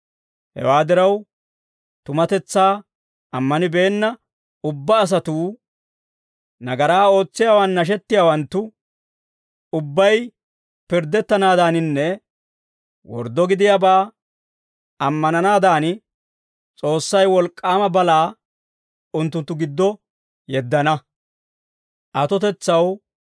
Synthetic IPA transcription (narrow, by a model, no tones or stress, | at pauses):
hɛ̰waːd̪ɪɾɐw | t̪ʊmɐt̪ɛt͡sːaː | ɐmːɐnɪbe̞ːnːɐ | ʊbːɐːs̬ɐt̪uː | nɐɡɐɾaːo̞ːt͡sːɪjaːwɐnːɐʃ̬ɛt̪ːɪjaːwɐnt̪ːʊ | ʊbːɐj | pɪɾd̪ɛt̪ːɐnaːd̪aːnɪnːɛ | wɔ̰ɾd̪ːɔɡɪd̪ɪjaːbaː | ɐmːɐnɐnaːd̪aːnɪ | t͡sʼo̞ːsːɐjwɔlkʼːaːmɐbɐlaː | ʊnt̪ːʊnt̪ːʊɡɪd̪ːɔ | jɛd̪ːɐnɐ | ʔɐt̪ɔt̪ɛt͡sːɐw